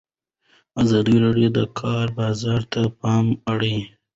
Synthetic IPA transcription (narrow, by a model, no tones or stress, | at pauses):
azɑd̪iɾeɖijod̪əkʰɑɾbɑzɑɾt̪apɑmaɽi